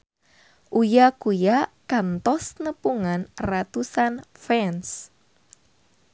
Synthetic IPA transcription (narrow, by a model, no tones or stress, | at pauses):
ʔujakujakant̪ɔsnəpuŋanrat̪usanfɛns